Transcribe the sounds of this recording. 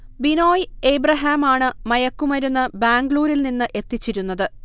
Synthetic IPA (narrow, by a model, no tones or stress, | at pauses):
bino̞ːjejbrɐɦaːmaːɳɨmɐjɐkːumɐɾunːɐbaːŋɡɭuːɾilninːɨʔe̞t̪ːit͡ɕːiɾunːɐðɨ